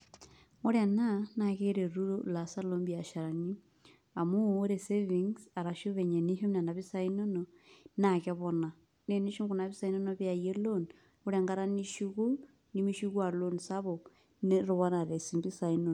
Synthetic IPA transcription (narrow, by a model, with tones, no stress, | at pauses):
o˦ɾe˨na˦na˨ke˦ɾe˨ɾu˦ɾo˦la˨sa˦lo˦mbja˨ʃa˨ɾa˨ɲi˦ | a˨mu˦o˦ɾe˨se˦vi˨ŋsa˨ɾa˨ʃu˦βe˨ɲe˨ni˦ʃu˦mna˨na˨βi˦sa˦i˦no˦no˨ | na˨ke˦βo˦na˨ | ne˦˨ni˦ʃu˦ŋɡu˨na˨βi˦sa˦i˦no˦no˦βja˨je˦lo˦n | o˦ɾe˨ŋɡa˦ɾa˦ni˦ʃu˦ku˦ | ni˦mi˦ʃu˦ku˦a˨lo˦nsa˦βo˨ | ne˦ɾo˦βa˦na˨ɾe˨si˨mbi˦sa˦ino